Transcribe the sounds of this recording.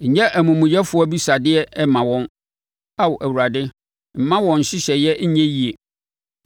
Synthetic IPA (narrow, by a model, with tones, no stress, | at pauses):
ɲ̩˨ɲɛ̃˦ʔæ˨mũ˨mũ˨jɛ˦fʊ˦ɔ˦bi˦sa˨dɪ˦ɛ˦ʔɛ˦mã˨wɔ̃˦n | a˦wʊ˨ʔæ˨wu˨ɾa˨dɪ˦ | m̩˨˦mã˦wɔ̃˨ɲ̩˨ɕɪ˦ɕɛ˨jɛ˦ɲɛ̃˦ji˦e˨